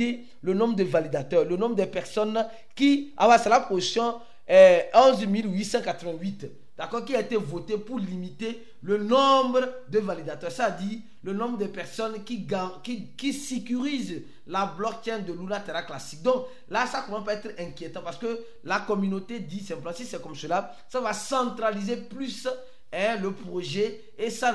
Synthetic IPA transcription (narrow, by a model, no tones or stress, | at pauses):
e | lənɔ̃bʁd̪əvalid̪at̪œʁlənɔ̃bʁd̪ɛpɛʁsɔn | kia̰wasɛlaposjɔ̃ | ɛɔ̃zmilwisɑ̃kat̪əvɛ̃ɥit̪ | d̪̥akɔʁkiaet̪evot̪epuɾlimit̪e | lənɔ̃bʁəd̪əvalid̪at̪œsad̪i | lənɔ̃bʁd̪əpɛʁsɔnkiɡakikisekyʁiz | lablɔk̚t̪ɛnd̪əlulat̪eʁaklasik̚d̪ɔ̃k | lasakɔmãspaɛt̪χɛ̃kjet̪ɑ̃paʁsə̥kə | lakɔmynot̪ed̪isɛ̃pləmɑ̃sisɛkɔmsəla | savasɑ̃t̪χalizeplys | ɛ̃ləpʁoʒɛ | esa